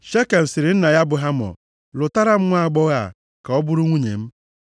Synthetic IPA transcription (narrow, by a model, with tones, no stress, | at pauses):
ʃe˦ke˨m̩˨sɪ˨ɾɪ˨n̩˦na˨ja˦bʊ˨ɦa˦mɔ̰˨ | lʊ˨ta˦ɾa˦m̩˦ŋʷa˦˨a˨ɡ͡bɔ˦ɣa˦˨ | ka˨ɔ˦bʊ˦ɾʊ˦ŋʷu˦ɲḛ˨m̩˦